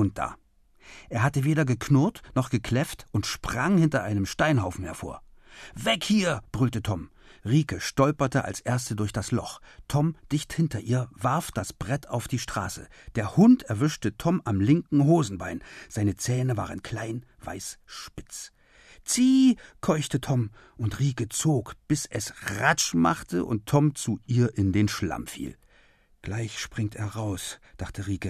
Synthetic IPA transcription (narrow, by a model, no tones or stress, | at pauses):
ʊnt̚d̥a̰ː | ʔeːɐɦatəveːɾɐɡəkʰnʊɐtnɔχɡ̥əkʰl̥ɛftʔʊntʃpʁ̥aŋhɪntɐʔaɪnəmʃtaɪnhaʊfn̩hɛɐfo̰ːɐvɛkhiːɐb̥ʁʏltətʰɔm | ʁiːkəʃtɔlpɐtəʔa̰lsʔeːɐstədʊɐçd̥aslɔχtʰɔmd̥ɪçthɪntɐʔiːɐvaɐfd̥asb̥ʁɛtʰaʊfd̥iːʃtʁ̥a̰ːsə̰ | d̥eːɐhʊntʰɛɐvʏʃtətʰɔmamlɪŋkŋ̩ɦoːzn̩baɪnz̥aɪnət͡sɛːnəva̰ːʁənkʰl̥aɪn | va̰ɪsʃpɪt͡s | t͡siːkʰɔʏçtətʰɔm | ʔʊntʁiːkət͡soːkb̥ɪsʔɛsʁat͡ʃma̰χtʰəʔʊ̰ntʰːɔmt͡suʔiːɐʔɪndeːnʃla̰mfḭːl | ɡ̥laɪçʃpʁ̥ɪŋteːɐʁaʊsd̥aχtʰəʁiːkə